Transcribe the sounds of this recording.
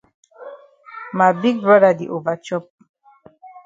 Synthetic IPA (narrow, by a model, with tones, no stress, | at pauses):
ma˨jbi˦ɡ̚bɹɔ˦da˨di˨ʔo˨va˨t͡ʃɔ˦p̚